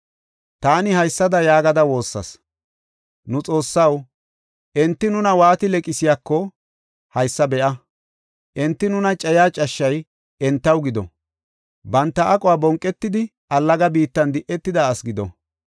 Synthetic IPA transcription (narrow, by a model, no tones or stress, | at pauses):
t̪aːnɪhɐjsːɐd̪ɐjaːɡɐd̪ɐwo̞ːsːɐ̰s | nʊt͡sʼo̞ːsːɐw | ʔɛnt̪ːɪnʊnɐwaːt̪ɪlɛkʼɪsɪjaːkːɔ | hɐjsːɐbɛʔɐ | ʔɛnt̪ːɪnʊnɐt͡ʃʼɛjaːt͡ʃʼɐʃːɐj | ʔɛnt̪ːɐwɡɪd̪ɔ̰ | bɐnt̪ːɐʔːkʼɔwaːbɔŋkʼːɛt̪ːɪd̪ɪ | ʔɐlːɐɡɐbiːt̪ːɐnd̪ɪʔɛt̪ːɪd̪ɐːsɡɪd̪ɔ̰